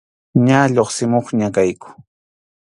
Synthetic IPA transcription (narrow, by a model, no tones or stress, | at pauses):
ɲaʎoχsɪmoχɲakajkʊ̥